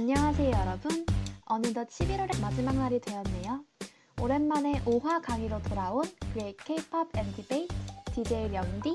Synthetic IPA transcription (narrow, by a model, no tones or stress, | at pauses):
aɲːʌŋɦasʰe̞ojʌɾʌbɯnʌnɯdʌt͡ɕʰibiɾʌɾemad͡ʑimaŋnaɾidwe̞jʌnːe̞jo | oɾe̞nmane̞ʔoɦwakaŋiɾotoɾaonkɯekʰepʰʌbendʰibeitid͡ʑe̞iɾjʌŋdi